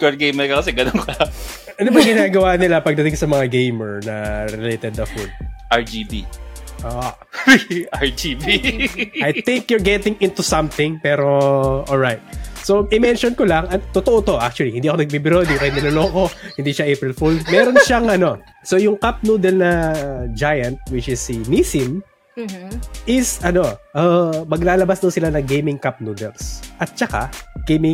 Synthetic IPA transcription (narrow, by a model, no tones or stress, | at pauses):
kɐɡejmɛɾkɐkɐsɛɡɐnoŋkɐ | ʔɐnobɐɡɪnaːɡɐwanɪlapɐɡd̪ɐt̪ɪ̃ŋksɐmɐŋaɡejmɛɹnɐɾɛlejt̪ɛd̪ːɐfud̪̚ʔɐɹd͡ʒibiʔoʔ | aɹd͡ʒibiajt̪ɪŋkjɔɹɡɛt̪ɪŋɪ̃nt̪usɐ̃mθɪ̃ŋpɛːɾo̞ʔolɹajt̪̚soʔɪmɛnʃonkolɐŋʔɐt̪ot̪oʔot̪o̞ʔa̰k̚t͡ʃʊɐlihɪnd̪iːʔɐkoɐɡ̚bibɪɾod̪ikɐjmɪloloːko̞hɪnd̪iʃaʔejpɹɪlfulmɛːɾonʃaŋʔɐno̞ | sojʊŋkap̚nud̪ɛlnɐd͡ʒajɐnt̪̚wɪt͡ʃɪsːinisɪm | ʔɪsɐno̞ʔɐmɐɡlaːlɐbasd̪ɐwnsɪlanɐŋɡejmɪŋkap̚nud̪ɛ̰lsʔɐt̪̚t͡ʃɐka̰ɡ̥ejmɪ